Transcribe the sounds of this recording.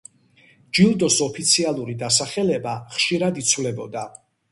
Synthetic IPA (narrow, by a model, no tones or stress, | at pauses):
d͡ʒilˠd̪ɔsɔpʰit̪sʰialˠuɾid̪asaχɛlɛbaχʃiɾad̪it̪sʰvlɛbɔd̪a